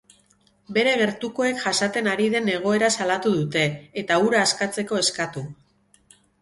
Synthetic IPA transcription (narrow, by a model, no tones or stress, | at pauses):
be̞ɾe̞ɣ̞e̞ɾt̪uko̞e̞kʝasat̪e̞naɾiðe̞ne̞ɣ̞o̞e̞ɾasalat̪uðut̪e̞ːt̪auɾaːskat͡se̞ko̞e̞skat̪u